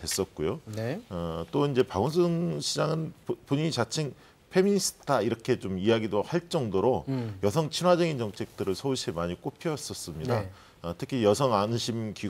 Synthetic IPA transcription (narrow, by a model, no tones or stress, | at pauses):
we̞s͈ʌt̚k͈ojonʌt͈oind͡ʑe̞paɡunsʰɯŋɕʰid͡ʑaŋɯnpoɲiɲit͡ɕat͡ɕʰiŋ | pʰe̞miɲis͈ʰɯ̥tʰaiɾʌkʰe̞t͡ɕomijaɡidohaɭt͡ɕ͈ʌŋdoɾojʌsʰʌŋt͡ɕʰinɦwad͡ʑʌɡint͡ɕʌŋt͡ɕʰe̞k̚t͈ɯɾɯɭsʰʌuɕʰimaɲik͈opʰiʌs͈ʌs͈ɯmɲida | ʌtʰɯkʰijʌsʰʌŋanɕʰimki